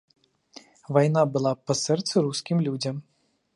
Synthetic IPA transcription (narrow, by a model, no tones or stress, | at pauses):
vajn̪abɨlˠapɐsɛrt̪sɨɾuskʲimlʲud͡zʲɐm